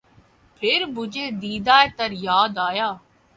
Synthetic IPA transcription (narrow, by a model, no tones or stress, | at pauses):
pʰɪɾbʊd͡ʒeːd̪iːd̪aːet̪əɾjaːd̪aːjaː